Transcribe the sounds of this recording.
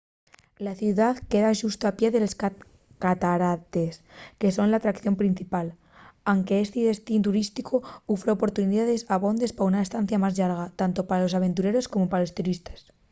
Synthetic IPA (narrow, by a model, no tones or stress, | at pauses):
laθjuðaðke̞ðaʃust̪oapje̞ðe̞losk | kat̪aɾat̪e̞ske̞so̞nlaːt̪ɾakθjo̞mpɾin̟θipal | aŋke̞est̪iðe̞st̪int̪̬uɾist̪ikʰoufɾeo̞po̞ɾt̪uniðaðe̞saβo̞nd̪e̞spaaunaest̪an̟θjamazʎaɾɣ̞at̪ant̪o̞paɾalo̞saβ̞e̞nt̪uɾe̞ɾo̞sko̞mo̞paɾalo̞st̪uɾist̪ḁs